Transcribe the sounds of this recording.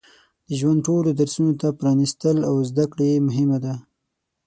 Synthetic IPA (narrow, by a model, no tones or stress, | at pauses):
d̪̥əʒwand̪̚ʈolod̪aɾsunot̪apɾɑnist̪əlawzd̪akɽemʊɦɪmad̪a